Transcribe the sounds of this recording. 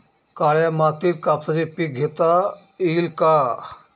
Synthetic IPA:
kaɭjamat̪iːt̪̚kapʰəɾipik̚ɡʱet̪a | ilka

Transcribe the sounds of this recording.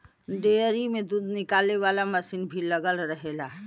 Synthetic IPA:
ɖeːɾimẽd̪uːd̪nɪkaːleʋaːlamɐsinbʱiləɡəlɾəɦelaː

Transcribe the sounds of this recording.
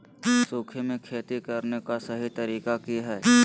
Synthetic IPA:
soːkʰemẽkʰeːt̪ikɐɾnekasɐɦit̪ɐɾiːkakiɦɛː

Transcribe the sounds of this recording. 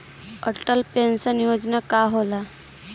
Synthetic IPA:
əʈəlpensənjod͡znakaɦola

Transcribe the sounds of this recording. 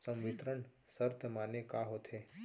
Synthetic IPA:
sə̃mʋɪt̪ɾəɳ | səɾt̪ʰəmanekaɦot̪ʰe

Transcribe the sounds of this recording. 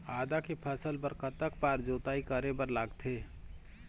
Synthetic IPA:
aːd̪akepʰəsəlbəɾkət̪ək̚paːɾd͡ʒoːt̪aːikəɾebəɾlaːɡt̪ʰeː

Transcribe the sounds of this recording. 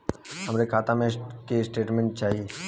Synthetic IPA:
həmɾekʰaːt̪amẽkesʈeːʈmẽɳʈ̚t͡ʃaːɦi

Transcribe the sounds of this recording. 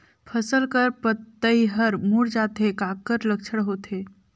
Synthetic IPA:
pʰəsəlkəɾpət̪ːəiɦəɾmuɽd͡ʒaːt̪ekakəɾləkʃʰəɽɦoːt̪ʰe

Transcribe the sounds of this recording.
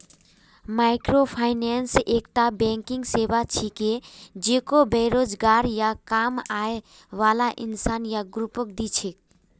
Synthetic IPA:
maɪkɾopʰaɪnensekʈabɛ̃ŋkiŋɡsebat͡ʃʰiked͡ʒekobeɾod͡ʒɡaɾjakamae | ʋalaʔḭnsanjaɡɾupək̚d̪it͡ʃʰek

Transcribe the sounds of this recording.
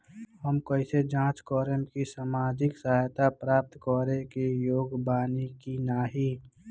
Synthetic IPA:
həmkəɪsed͡ʒãːt͡ʃkɔːɾəmkisaːmaːd͡ʒɪksəɦaːjt̪apɾaːp̚t̪kɔːɾẽkejoːɡbaːnikinaːɦiː

